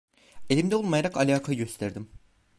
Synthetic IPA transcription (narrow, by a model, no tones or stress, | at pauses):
e̞lʲimd̪ɛo̞lˠmajaɾakalʲaːkʰaɯɟø̞st̪ʰæɾd̪im